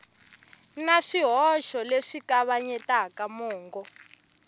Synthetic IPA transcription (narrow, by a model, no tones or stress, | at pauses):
naʂiɦɔʃɔleʂikaβaɲɛtakamɔːŋɡɔ